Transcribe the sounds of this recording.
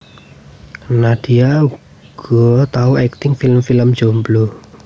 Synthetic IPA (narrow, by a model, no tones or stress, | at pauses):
nad̥iau | ɡ̥ɔt̪auɛk̚t̪ɪŋfiləmfiləmd̥d͡ʒomblo